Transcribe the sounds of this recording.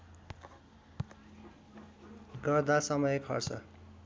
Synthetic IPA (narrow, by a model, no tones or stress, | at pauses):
ɡʌrd̪asʌmʌjpʰʌ̰rt͡sʰʌ̰